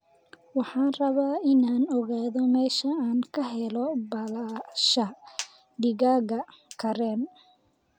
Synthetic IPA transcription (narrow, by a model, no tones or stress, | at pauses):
wɑħɑːnrɐβaːʔɪnaːnɔɣaːðɔmɛːʃɐaːŋkʰɐɦɛlɔbɐlaːʃɐ | ɖɪɣaːɣɐkʰɐɾɛːn